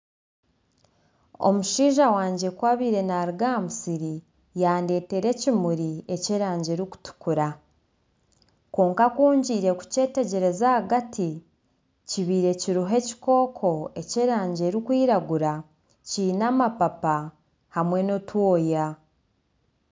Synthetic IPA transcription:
o̞̰muʃiːʒawaːɲɟekwaβiːɾe̞naːɾiɡamusiɾi | jaːnde̞ːte̞ɾe̞cimuɾie̞ceɾaːɲɟe̞ːɾiku̥tu̥kuɾa | koːŋkakuːɲɟiːɾe̞ku̥ce̞ːte̞ɟe̞ɾe̞zahaɡati | ciβiːɾe̞ciɾuɦe̞ci̥ko̞ːkʰo̞e̞ceːɾaːɲɟe̞ɾikwiːɾaɡuɾa | ciːnaːmapapa | hamwe̞no̞twoːja

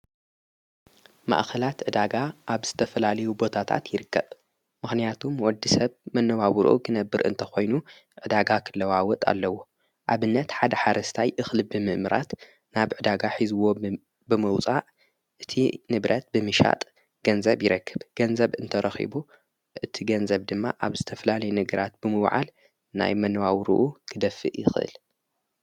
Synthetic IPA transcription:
ma̰ʔkʰɐlat̪ʕɨd̪aɡaʔaβz̥ɨt̪ʰɐfɐlalɐjubo̞t̪ʰat̪ʰa̰t̪jɪɾɨkːɐb | mɨxnijat̪ʰumwɔd̪ːisɐβmɐnːɐβawɾʔṵɡɨnɐbːɨɾɨ̰nt̪ʰɐxo̞jnu | ʕɨd̪aɡakʰɨlːɐwawɔt̪ʼa̰lːɐwːo | ʔaβɨnːɐt̪ħad̪ɐħaɾɐst̪ʰajʔɨxlɨbɨmɨʔmɨɾa̰t̪ | naβʕɨd̪aɡaħizɨwo | bɨmɐwt͡sʼaʕ | ʔɨt̪ʰḭnɨβɾʔɐt̪̚bɨmɨʃa̰t̪ʼ | ɡ̥ɐnzɐβjɪɾɐkʰːɨbɡ̥ɐnzɐβɨnt̪ʰɐɾɐxḭbu | ʔɨt̪ʰiɡɐnzɐβd̪ɨmːaʔaβzɨt̪ʰɐfɐlalɐjnɨɡɐɾat̪̚b̥ɨmɨwʕa̰l | na̰jmɐnːɐwawɾṵʔukʰɨd̪ɐfːɨ̰ʔjɪxɨʔɨ̰l

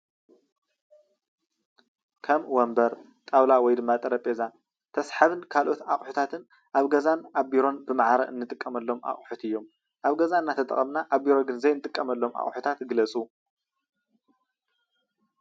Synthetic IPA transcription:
kʰɐmwɔmbɐɾ | t̪ʼawlawɔjd̪ɨmːat̪ʼɐɾɐpʼeza | t̪ʰɐsħaβɨnkʰalʔo̞t̪aχʼħut̪ʰat̪ʰɨn | ʔaβɡɐzanaβiɾo̞nbɨmaʕaɾɐɨnːɨt̪ʼɨkʼːɐmɐlːo̞ma̰χʼħut̪ɨjːo̞m | ʔaβɡɐzaɨnːat̪ʰɐt̪ʼɐ̰χʼɐmnaʔaβbiɾoɡɨnzɐjnɨt̪ʼɨkʼːɐmɐlːo̞mʔa̰χʼħut̪ʰat̪ɡɨlɐt͡sʼu

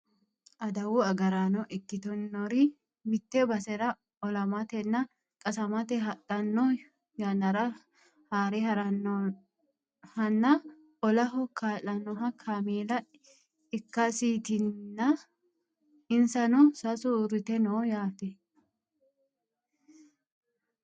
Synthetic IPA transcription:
ʔɐd̪ɐwʊɐɡɐɾanɔʔɪkːɪt̪ɔnːɔɾɪ | mɪt̪ːɛbɐsɛɾɐ | ɔlɐmɐt̪ɛnːɐ | kʼɐsɐmɐt̪ɛɦɐtːɐnːɔ | jɐnɐɾɐ | haːɾɛhɐɾɐn | hɐnːɐ | ɔlɐɦɔkʰaːlɐnɔɦɐkʰamiːlɐ | ɪkːɐsiːt̪ɪnːɐ | ɪnsɐnɔsɐsuɾɪt̪ɛnoːjaːtɛ

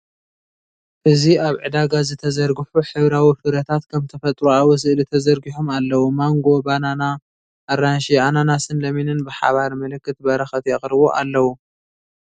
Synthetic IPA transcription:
ʔɨziaβʕɨ̰d̪aɡazɨt̪ʰɐzɐɾɡɨfuħɨβɾawifɨɾɐt̪ʰat̪kʰɐmt̪ʰɐfɐt̪ʼɾuawus̬ɨʔlit̪ʰɐzɐɾɡiħomalːɐwumaŋɡo̞banana | ʔːɾanʃiananasɨnlɐminɨnbɨħa̰βaɾmɨlɨkːɨt̪̚bɐɾɐxɐt̪jɛχʼɾɨβuʔa̰lːɐwu

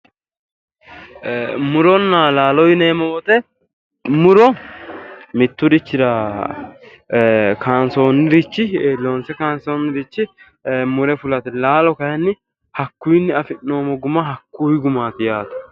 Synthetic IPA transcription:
mʊɾɔnːalaːlɔjɪneːmɔwɔt̪ɛ | mʊɾɔ | mɪt̪ːʊd̪ɪt͡ʃːɪɾɐ | kʰaːnso̞ːnːɪɾɪt͡ʃːɪlo̞ːnsɛkaːnsoːnːɪɾɪt͡ʃːɪ | mʊɾɛfʊlɐt̪ɪlaːlɔkɐhɛnːɪ | hɐkːʊjɪnːɪɐfɪnːo̞ːmɔɡʊmɐɦɐkːuːjɪɡʊmaːt̪ɪjaːt̪ʊ̥

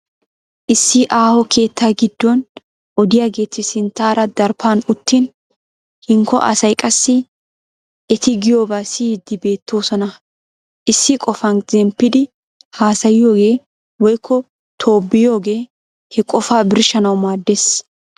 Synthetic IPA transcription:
ʔɪsːɪʔaːhɔkʰe̞ːt̪ːaːɡɪd̪ːɔn | ʔɔd̪ɪjaːɡe̞ːt̪ːɪsɪnt̪ːaːɾɐd̪ɐɾpanʊt̪ːin | hɪŋkːɔ̰ʔɐ̰sɐjkʼɐsːɪ | ɛt̪ɪɡɪjo̞ːbaːsɪd̪ːɪbe̞ːt̪ːo̞ːsɔnɐ | ʔɪsːɪkʼɔfɐnzɛmpːɪd̪ɪ | haːsɐjɪjo̞ːɡe̞ː | wɔjkːɔ | t̪ʰo̞ːbːɪjo̞ːɡe̞ː | hɛkʼɔfaːbɪɾʃɐnɐwmaːd̪ːes

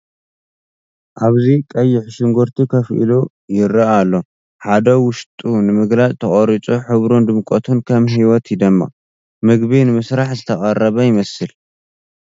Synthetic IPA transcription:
ʔaβzikʼɐjːɪħʃɨŋɡoɾt̪ʰikʰɐfʔḭlo | jɪɾɐalːo̞ | ħad̪ɐwʊʃt̪ʼunɨmɨɡlat͡sʼt̪ʰɐχʼoɾit͡ʃʼoħɨβɾond̪ɨmkʼot̪ʰunkʰɐmɦiwɔt̪ʰd̪ɨmːa̰ | mɨɡβinɨmɨsɾaħzɨt̪ʰɐχʼɐrːɐβɐjɪmɐsɨl

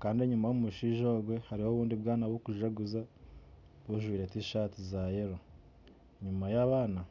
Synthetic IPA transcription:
kaːndeɲumajomuʃiʒo̞ːɡwe̞haɾiho̞ːβuːndibɡaːnaβokuʒaɡuza | βuʒwiːɾetiʃatizajeɾo | ɲumajaβaːna

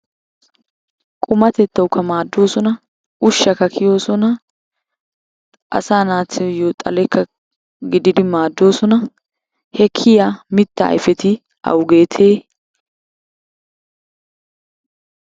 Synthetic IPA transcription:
kʼʊmɐt̪ɛt̪ːɐwkːɐmaːd̪ːo̞ːsɔnɐ | ʔʊʃːɐkːɐkʰɪjo̞ːsɔnɐ | ʔɐ̰saːnaːt̪ːɪjot̪ʼɐ̰lɛkʰːɐ | ɡɪd̪ɪd̪ɪmaːd̪ːo̞ːsɔnɐ | hɛkʰːɪjamɪt̪ːɐ̰ːjfɛt̪ɪ | ʔɐ̰wɡeːt̪ʰeː

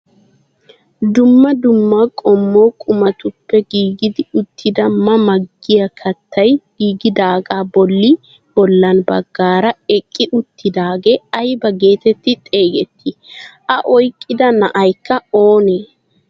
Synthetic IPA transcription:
d̪ʊmːɐd̪ʊmːɐkʼɔmːo̞ːkʼʊmɐt̪ʊpːɛɡiːɡɪd̪ɪʊt̪ʰːɪd̪ɐmɐmɐɡːɪjɐkʰɐt̪ʰːɐjɡ̥iːɡɪd̪aːɡaːbɔlːɪ | b̥ɔlːɐnbɐɡːaːɾɐɛkʼːɪʔʊt̪ːɪd̪aːɡeːɐjbɐɡe̞ːt̪ɛt̪ːɪt̪ʼe̞ːɡɛt̪ʰːɪʔɐʔɔjkʼːɪd̪ɐnɐʔɐjkːɐo̞ːneː

